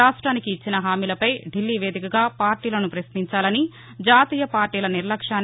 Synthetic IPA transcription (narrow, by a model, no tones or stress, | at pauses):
aːʂʈɾaːnikiːt͡ʃːinɐɦaːmiːlɐpɐjɖilːiːʋe̞ːd̪ikɐɡaːpaːɾʈiːlɐnupɾɐsmiɲt͡ʃaːlɐni | d͡ʒaːt̪iːjɐpaːɾʈiːlɐniɾlɐkʂaːn